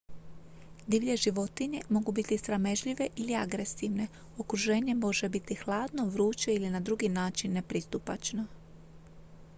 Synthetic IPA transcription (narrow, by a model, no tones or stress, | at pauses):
d̪iʋʎe̞ʒiʋo̞t̪iɲe̞mo̞ɡubit̪isɾame̞ʒʎiʋe̞ʔiliaɡɾe̞siʋne̞ | okɾuʒe̞ːɲe̞mo̞ʒebit̪ixlˠaːd̪no̞ʋɾuːt͡ʃeilinad̪ɾuɡinaːt͡ʃinːe̞pɾist̪upat͡ʃno